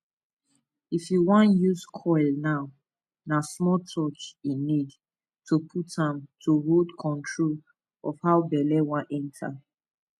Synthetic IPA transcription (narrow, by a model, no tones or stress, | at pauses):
ifiwãnjuzkʰɔɪlnaʊ | nasmɔtʰɔt͡ʃinid | tʰupʰutãmtʰuɹodkʰɔ̃ntʰɹol | ɔfhaʊbɛlɛwãnʔɛ̃ntʰa̰